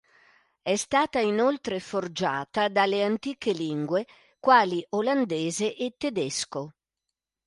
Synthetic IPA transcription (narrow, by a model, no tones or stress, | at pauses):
ɛst̪aːt̪ainolt̪ɾeford͡ʒa̰ːt̪ad̪aleant̪iːkeliŋɡwe | kwaːliʔoland̪eːzeʔet̪ːed̪ɛsko